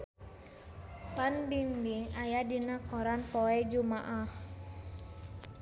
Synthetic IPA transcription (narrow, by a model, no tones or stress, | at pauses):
t̪anbinbiŋajadinakɔɾanpɔɛd͡ʒumaʔah